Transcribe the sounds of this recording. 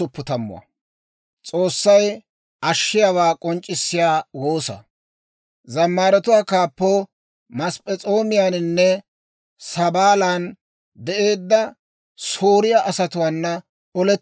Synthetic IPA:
ʊpːʊt̪ɐmːʊ̰wɐ̰ | t͡sʼo̞ːsːɐj | ʔɐʃːɪjawaːkʼɔnt͡ʃʼːɪsːɪjaːwoːsɐ̰ | zɐmːaːɾɛt̪ʊwaːkaːpːoː | mɐspʼɛt͡sʼo̞ːmɪjaːnɪnːɛ | sɐbaːlaːn | d̪ɛʔe̞ːd̪ːɐ | soːɾɪjaʔɐsɐt̪ʊwaːnːɐ | ɔlɛ

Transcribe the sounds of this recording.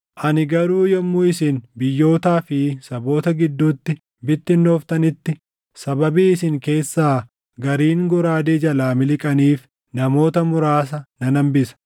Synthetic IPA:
ʔɐnɪɡɐɾuːjɔmːuːɪsɪnbɪjːo̞ːt̪aːfɪsɐbo̞ːt̪ɐɡɪd̪ːuːt̪ːɪ | bɪt̪ːɪnːoːft̪ɐnɪt̪ːɪ | sɐbɐbiːɪsɪŋke̞ːsːaː | ɡɐɾiːŋɡɔɾaːd̪eːd͡ʒɐlaːmɪlɪkʼɐniːf | nɐmo̞ːt̪ɐmʊɾaːs̬ɐnɐnɐmbɪsɐ̥

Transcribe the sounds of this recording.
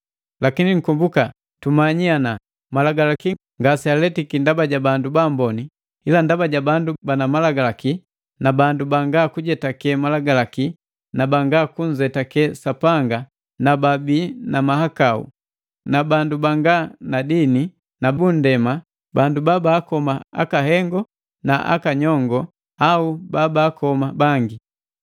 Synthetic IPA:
lakiniŋ̩kumbuka | tumaɲiana | malaɡalaki | ŋɡasialɛtikindabaɟabandubambɔni | ilandabaɟabandubanamalaɡalaki | nabandubaŋɡakuɟɛtakɛmalaɡalaki | nabaŋɡakuɲ̩d͡ʒɛtakɛsapaŋɡa | nababiːnamaɦakaṵ | nabandubaŋɡanadini | nabun̩dɛma | bandubabaːkɔmaa̰kaɦɛŋɡɔ | naʔa̰kaɲɔŋɡɔ | aubabaːkɔmabaŋɡi

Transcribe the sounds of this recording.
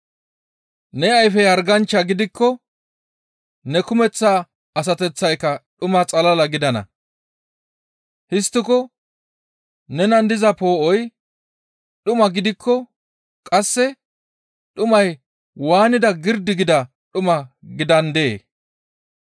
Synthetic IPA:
nɛɐjfɛɐɾɡɐnt͡ʃːɐɡɪd̪ɪkʰːɔ | nɛkʊmɛt͡sːaː | ɐs̬ɐt̪ɛt͡sːɐjkːɐɗʊmɐt͡sʼɐlɐlɐɡɪd̪ɐnɐ̰ | hɪst̪ːɪkɔ | nɛnɐnd̪ɪzɐpo̞ːʔɔj | ɗʊmɐɡɪd̪ɪkʰːɔ | kʼɐsːɛ | ɗʊmɐj | waːnɪd̪ɐɡɪɾd̪ɪɡɪd̪ɐ | ɗʊmɐɡɪd̪ɐnd̪e̞̰ː

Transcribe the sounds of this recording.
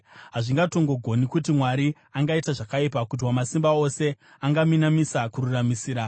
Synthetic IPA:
ɦaʐiŋɡato̞ŋɡo̞ɡʱo̞nikut̬imwaɾi | aŋɡaitaʐakaipakut̬iwamasimbao̞se̞ | aŋɡaminamisakuɾuramisiːɾa

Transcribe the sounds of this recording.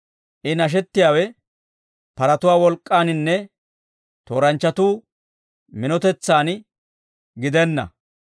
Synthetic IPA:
ʔɪnɐʃ̬ɛt̪ːɪjaːwɛ | pɐɾɐt̪ʊwaːwɔlkʼːaːnɪnːɛ | t̪o̞ːɾɐnt͡ʃːɐt̪uː | mɪnɔt̪ɛt͡sːaːn | ɡɪd̪ɛnːɐ̰

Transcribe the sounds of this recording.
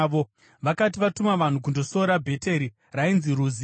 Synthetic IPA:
ʋo | ʋakatiʋatumaʋan̤uk̬undo̞so̞ɾabʱe̞te̞ɾi | rainziɾuːzi

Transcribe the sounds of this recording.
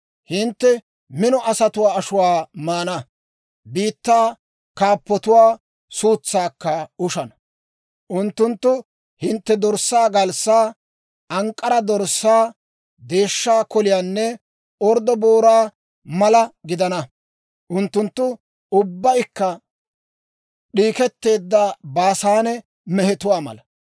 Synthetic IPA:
hɪnt̪ːɛ | mɪnɔʔɐsɐt̪ʊwaːɐʃʊwaːmaːnɐ | biːt̪ːaː | kaːpːɔt̪ʊwaː | suːt͡sːaːkːɐʊʃɐnɐ̥ | ʔʊnt̪ːʊnt̪ːʊ | hɪnt̪ːɛd̪ɔɾsːaːɡɐlsaː | ʔɐŋkʼːɐɾɐd̪ɔɾsːaː | d̪e̞ːʃːaːkɔlɪjaːnːɛ | ɔɾd̪ɔboːɾaː | mɐlɐɡɪd̪ɐnɐ | ʔʊnt̪ːʊnt̪ːʊ | ʊbːɐjkːɐ | ɗiːkɛt̪ːe̞ːd̪ːɐbaːsaːnɛ | mɛhɛt̪ʊwaːmɐ̰lɐ

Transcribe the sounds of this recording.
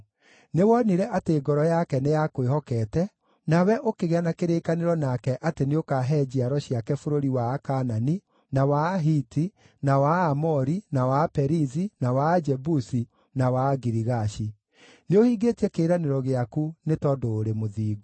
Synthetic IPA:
newɔniɾɛʔateːɡɔɾɔjakɛnejakowehɔkɛtɛ | nawɛʔokeɣeanakeɾeːkaneɾɔnakɛʔateneokaɦɛːd͡ʑiaɾɔɕjakɛfoɾoɾiwakanani | nawaɦiti | nawaːmɔɾinawapɛɾizinawad͡ʒɛbusi | nawaɡiɾiɣaɕi | neohiːɡetiɛkeːɾaneɾɔɣeakunetɔdoːɾemoðiːɡu

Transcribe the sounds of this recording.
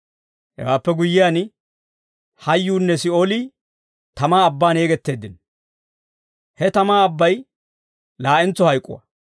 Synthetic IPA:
hɛ̰waːpːɛɡʊjːɪjaːn | hɐjːuːnːɛsɪoːli | t̪ɐmaːɐbːaːneːɡɛt̪ːe̞ːd̪ːɪn | hɛt̪ɐmaːɐbːɐj | laːɛnt͡sːɔhɐjkʼːʊ̰wɐ̰

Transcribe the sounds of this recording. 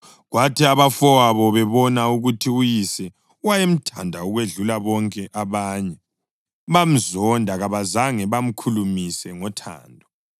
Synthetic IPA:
ɣwatʰiaβafɔwaβɔβɛβɔnauɣutʰiujisɛ | wajem̩tʰandʱaɔɣweɮulaβɔŋkʼɛʔaβaːɲɛ | βam̩zɔndʱaɣaβazaŋɛβam̩kʰulumisɛŋɔtʰa̰ːndʱɔ

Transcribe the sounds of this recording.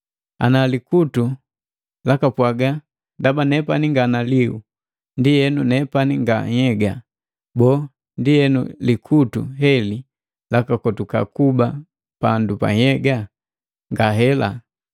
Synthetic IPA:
a̰nalikutu | lakapwaɡa | ndabanɛpaniŋɡanaliu | ndijɛnunɛpaniŋɡaɲɛɡa | bɔ | ndiɛnṵlikʰutṵɦɛli | lakakɔtuka̰kuba | pandupa̰ɲɛɡa | ŋɡaɦɛla

